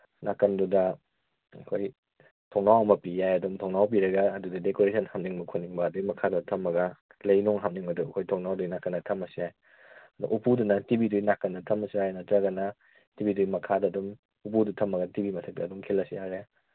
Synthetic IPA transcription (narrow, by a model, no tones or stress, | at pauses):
nakːɐndudɐ | ɐ̰kʰoj | tʰɔŋnawɐmɐpijajɐdumtʰɔŋnawp̬iɾɐɡɐːdudɐdekoɾesɐnhamniŋmɐkʰonːiŋbɐːduimɐkʰadutʰɐmːɐɡɐ | lɐjnuŋɦamniŋmɐduɐkʰojtʰɔŋnawdujnakːɐnɐtʰɐmɐsiaj | ɐdṵʔupudunɐtibidujnakːɐnɐtʰɐmɐsiajnɐtɾɐɡɐnɐ | tibidumɐkʰadɐːdum | upudutʰɐmːɐɡɐtibimɐtʰɐk̚tɐːdumkʰelɐsijaɾe